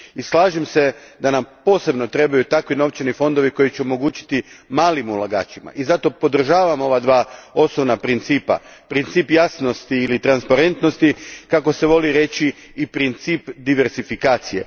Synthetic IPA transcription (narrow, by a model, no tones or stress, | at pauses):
islˠaːʒimse̞d̪anampo̞ːse̞bno̞t̪ɾe̞bajut̪akʋino̞ʋt͡ʃenifo̞nd̪o̞ʋiko̞jit͡ɕeomo̞ɡuːt͡ɕi̥t̪imaːlimulˠaɡa̰ːt͡ɕima̰ʔizat̪o̞po̞d̪r̩ʒaːʋamo̞ʋad̪ʋaːo̞snoʋnapɾint̪siːpa̰pɾint̪siːpjasno̞st̪iːlit̪ɾanspaɾe̞nt̪no̞st̪ikako̞se̞ʋo̞liɾe̞t͡ɕiː | pɾint̪siːpd̪iʋe̞ɾzifikaːt̪sije̞̰